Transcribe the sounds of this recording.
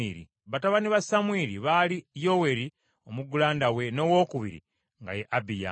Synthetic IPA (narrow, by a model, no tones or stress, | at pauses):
iɾḭ | βataβaniβasamwiɾiβalijo̞we̞ɾi | o̞muɡulaːndawe̞no̞wo̞ːkuβḭɾḭ | ŋɡa̰jeʔabija̰